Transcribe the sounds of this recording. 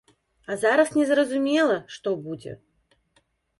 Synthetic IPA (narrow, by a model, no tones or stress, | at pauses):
azaɾɐfnʲɛzɾɐzʊmʲelˠɐʂt̪obud͡zʲɪ̰